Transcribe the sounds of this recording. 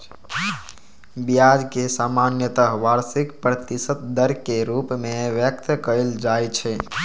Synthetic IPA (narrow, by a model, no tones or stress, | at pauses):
bijad͡ʒkesamanjət̪əɦʋaɾsikpɾət̪isət̪̚d̪əɾkeɾupmeʋjək̚t̪kəeld͡ʒajt͡ʃʰɛ